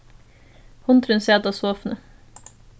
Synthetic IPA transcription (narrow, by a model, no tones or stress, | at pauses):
hʊnt̪ʰɾʉnseːd̪ɑːsoːfnə